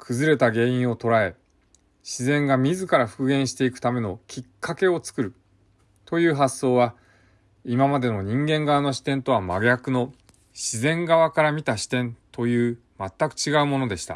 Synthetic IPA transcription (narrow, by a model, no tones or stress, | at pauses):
kʰɯ̟zɨɾe̞t̪aɡe̞ːĩɰ̃o̞t̪o̞ɾae̞ | ɕizẽ̞ŋɡamʲizɨkaɾaɸɯ̟̥kɯ̟ɡẽ̞ɰ̃ɕi̥t̪e̞ikɯ̟t̪ame̞no̞kʲikʰːake̞o̞t͡sɨ̥kɯ̟ɾɯ̟ | t̪o̞jɯ̟ːɦasːo̞ːβa | imamad̪e̞no̞ɲ̟ĩŋɡẽ̞ŋɡaano̞ɕi̥t̪ẽ̞nt̪o̞βamaɡjakɯ̟no̞ | ɕizẽ̞ŋɡaβ̞akaɾamʲit̪aɕi̥t̪ẽ̞nt̪o̞jɯ̟ː | mat̪ːakɯ̟̥t͡ɕiɡaɯ̟mo̞no̞d̪e̞ɕi̥t̪a̰